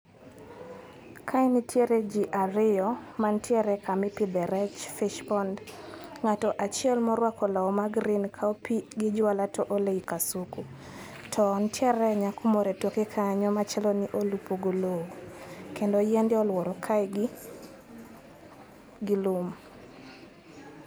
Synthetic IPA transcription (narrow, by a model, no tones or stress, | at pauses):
kʰaɪnitʰjeɾed͡ʒiʔaɾɪɔmantjɛɾɛkʰamɪpid̪ɛɾɛt͡ʃfiʃpɔndŋatɔʔat͡ʃɪɛlmɔɾwakɔlaɔmaɡɾinkʰaopiɡɪd͡ʒʊalatɔʔoleikasuku | tʰɔntjɛɾɛɲakʰʊmɔɾɛtokekʰaɲɔmat͡ʃɛlɔniʔolupoɡolowokendɔjɛndɪɔlwɔɾɔkʰajɡ | ɡɪlʊm